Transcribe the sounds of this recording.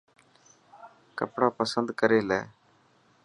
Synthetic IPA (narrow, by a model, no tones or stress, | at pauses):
kəpɽaːpəsənd̪kəɾeːlɛː